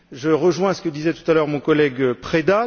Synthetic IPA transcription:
ʒəʁəʒwɛ̃sə̥kəd̪izɛt̪u̥t̪alœʁmɔ̃kɔlɛɡpχed̪a

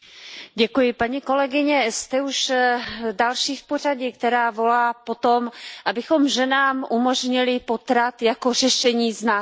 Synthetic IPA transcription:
ɟɛkujɪpaɲiko̞lɛɡɪɲɛst̪ɛuʃ | dalʃiːfpo̞r̝aɟɪkt̪ɛɾaːvo̞laːpo̞t̪o̞mʔabɪxo̞mʒɛnaːmʔumo̞ʒɲɪlɪpo̞t̪ɾat̪jako̞r̝ɛʃɛɲiːznaː

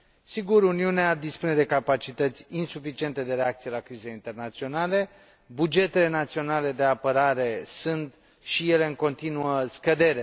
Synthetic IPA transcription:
siɡuɾuniunead̪ispune̞d̪e̞kapat͡ʃit̪ət̪sʲinsufit͡ʃie̞nt̪e̞d̪e̞ɾeakt̪sije̞lakɾizeint̪e̞rnat̪sio̞nale̞ | bud͡ʒe̞t̪e̞le̞nat̪sio̞nale̞d̪e̞apəɾaɾe̞sunt̪ | ʃije̞le̞ɨŋko̞nt̪inuəskəd̪e̞ɾe

